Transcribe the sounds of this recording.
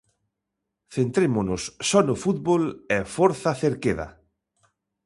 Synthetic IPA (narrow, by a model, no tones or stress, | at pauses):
θent̪ɾemʊnʊssɔnʊfut̪̚βolɛfoɾθɐθeɾkeðɐ̰